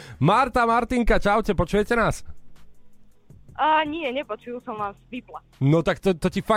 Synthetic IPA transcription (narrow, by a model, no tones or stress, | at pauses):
maɾt̪amaɾt̪iŋkat͡ʃaʊcɛpɔt͡ʃujɛcɛnaːs | ɲɪɛɲɛpɔt͡ʃujusɔmʋaːmsʋipla | nɔt̪akt̪ɔt̪ɔcifa